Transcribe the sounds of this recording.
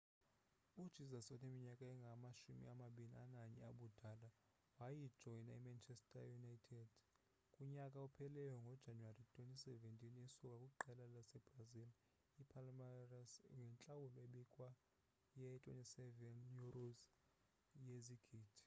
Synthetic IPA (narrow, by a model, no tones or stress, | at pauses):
ud̥ʒ̥ʱizasɔnemiɲakʼaɛŋɡʱamaʃumḭamaɓilḭanaɲɛaɓud̥ʱala | waji̥ʒ̥ʱɔjnaimant͡ʃʰɛstʰʼa̰junajtʰɛd̥ | kʼuɲakʼaupʰɛlɛjɔŋɡʱɔd̥ʒ̥ʱanuwaritʼwentʼisɛventʼiniesukʼakʼuk̬ʼuǃɛlalasɛb̥razil | ipʰalmarasŋɡʱɛnt͡ɬʼawulɔeɓikʼwa | jɛtʼwḛntʼisɛvɛnjuroz | jeziɡ̥ʱiːdʰʱi̥